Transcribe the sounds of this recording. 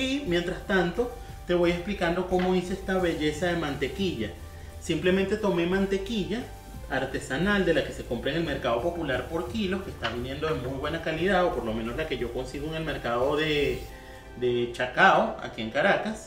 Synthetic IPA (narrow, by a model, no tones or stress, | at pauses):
imje̞nt̪ɾast̪ant̪o̞ | t̪e̞βo̞jesplikand̪oko̞moiseest̪aβeʝesaðemãnt̪ekiʝa | simplement̪e̞t̪ome̞mãnt̪e̞kiʝaː | ɾt̪esanald̪e̞lakese̞kompɾeŋe̞lme̞ɾkaðo̞po̞pulaɾpoɾkilo̞kehst̪aβinje̞nd̪oðemujβwenakaliðaðopoɾlomẽnoslake̞ʝo̞ko̞nsiɣoeŋe̞lmeɾkaðoðe | d̪et͡ʃakaoa̰kieŋkaɾakas